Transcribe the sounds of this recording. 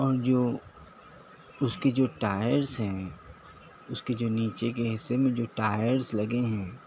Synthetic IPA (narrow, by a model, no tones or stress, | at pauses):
ɔːɾd͡ʒoː | ʊsked͡ʒoːʈaːjəɾsɦɛ̃ː | ʊsked͡ʒoːniːt͡ʃekeɦɪsːemẽd͡ʒoːʈaːjəɾslɐɡeɦɛ̃ː